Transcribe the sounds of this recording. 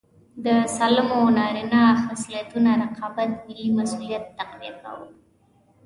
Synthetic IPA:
d̪əsalmonɑɾinaxasiat̪unaɾaqʰɑbat̪mɪlːimasulijat̪ːaqɾḛka̰wə̰l

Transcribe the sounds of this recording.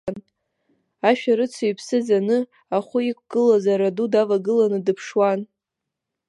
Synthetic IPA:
n | aʃᶣaɾɨt͡sʰojpʰsɨd͡zanɨ | aχʷʊik̚ʷʰʼɡ̥ɨlazaɾadudavaɡɨlanɨdɨpʰʂwan

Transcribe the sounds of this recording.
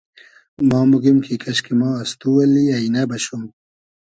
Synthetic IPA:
mɑːmuɡimkʰikɐɕkimɑ̃ːɐst̪uwɐlːiɐinabɐɕum

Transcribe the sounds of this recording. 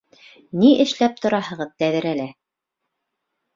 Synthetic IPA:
niʔɘ̆ʃlæp̚t̪ŏɾɑhɤ̆ʁɤðt̪æðɘ̆ɾælæ

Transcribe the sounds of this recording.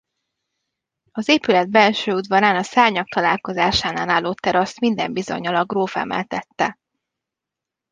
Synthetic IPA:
ɒzeːpylɛd̪̚bɛlʃøːud̪vɒɾaːnɒsaːɲɒk̚t̪ɒlaːlko̞zaːʃaːnaːnaːlːoːt̪ːɛɾɒst̪mind̪ɛmbizo̰ɲɒlɒɡroːfɛ̰mɛ̰lt̪ɛt̪ːɛ

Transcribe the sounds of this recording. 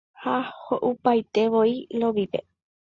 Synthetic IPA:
hahoʔupajt̪e̞ʋoiloʋipe̞̰

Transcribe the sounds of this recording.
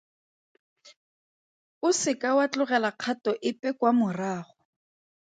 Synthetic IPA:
ʊsɪkawat͡ɬʊɣɛlaq͡χʰatɔʔɪpʼɛkwamʊraːχɔ

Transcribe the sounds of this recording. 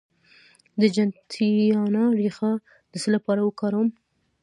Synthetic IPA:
d̪əd͡ʒant̪ʰiɑnɑɾixa | d̪̥əsəlapɑɾawəkɑɾawəm

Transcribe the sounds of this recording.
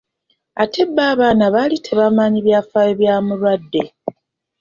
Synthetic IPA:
ate̞bːaːβaːnaβaːlitʰe̞βamaːɲiβjaːfajeβjaːmulwadːe̞

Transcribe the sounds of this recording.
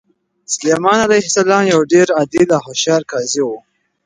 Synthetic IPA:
slemɑnalajhsalɑmjawɖeɾad̪ilaɦoʃɑɾkɑziwu

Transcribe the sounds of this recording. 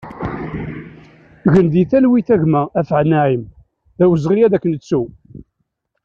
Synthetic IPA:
ɣənd̪iθælwiθæʝmææfəʕnːæʕim | ðæwəzʁijæðækːənət͡sːu

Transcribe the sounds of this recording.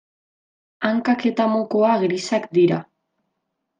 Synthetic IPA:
aŋkake̞t̪amokoaɣɾisakd̪iɾa̰

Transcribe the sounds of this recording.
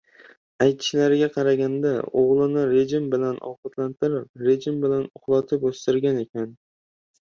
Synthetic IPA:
ajt̪ʰɪ̥ʃlaɾɪɡʲaqʰɑɾaɡʲand̪aoʁlˠɪnɪɾe̞d͡ʒɪmbɪlanɒ̰wqat̪lant̪ɪɾɪp̚ɾe̞d͡ʒɪmbɪlanʊχlˠɒt̪ʰɪpost̪ɪɾɡʲane̞kʲʰan

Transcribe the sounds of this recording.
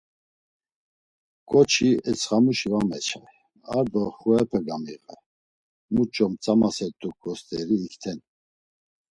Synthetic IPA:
kʼɔt͡ʃʰiɛt͡sʰχamuʃivamɛt͡ʃʰɛ | aɾd̪ɔχuɛpʰəɡamiʁə | mut͡ʃʼɔmt͡sʼamasɛt̪ʼːuk̚ɡɔst̪ʼɛɾiːkʰt̪ʰɛn

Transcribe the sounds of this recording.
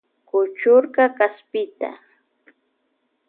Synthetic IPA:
kʊt͡ʃʊɾkakaspɪt̪a̰

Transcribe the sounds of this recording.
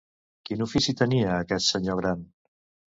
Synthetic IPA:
kinufisit̪əniəːkɛt̪səɲoɣ̞ɾan

